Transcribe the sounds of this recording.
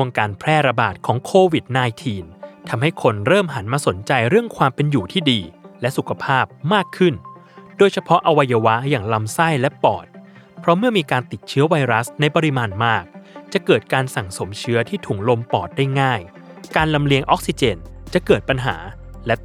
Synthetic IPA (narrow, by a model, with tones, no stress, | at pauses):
u˧əŋkaː˧npʰɾɛː˥˩ɾa˧ba̰ː˨˩t̪̚kʰɔː˩˦ŋkʰoː˧wi˨˩t̪̚naː˧jt̪ʰiː˧nt̪ʰa˧mɦa˥˩jkʰo˧nɾɤː˥˩mɦa˩˦nmaː˧so˩˦nt͡ɕa˧jɾɯ˥˩əŋkʰwaː˧mpe˧njuː˨˩t̪ʰiː˥˩diː˧lɛ˦˥su˨˩kʰa˧pʰaː˥˩p̚maː˥˩kʰːɯ˥˩n | doː˧jt͡ɕʰa˧pʰɔ˦˥ʔa˧wa˧jːa˧wa˦˥jaː˨˩ŋla˧msa˥˩jlɛ˦˥pɔ̰ː˨˩t̪̚ | pʰɾɔ˦˥mɯ˥˩ɐmiː˧kaː˧nt̪i˨˩t̪̚t͡ɕʰɯ˦˥ɐwa˧jɾa˦˥sna˧jpɔ˧ɾi˦˥maː˧nmaː˥˩k̚t͡ɕa˨˩kɤː˨˩t̪̚kaː˧nsa˨˩ŋso˩˦mt͡ɕʰɯ˦˥ɐt̪ʰiː˥˩t̪ʰuː˨˩˦ŋlo˧mpɔː˨˩t̪̚daː˥˩jŋaː˥˩j | kaː˧nla˧mli˧əŋʔɔ˦˥k̚si˧t͡ɕeː˧nt͡ɕa˨˩kɤː˨˩t̪̚pa˧nɦa̰ː˩˦lɛ˦˥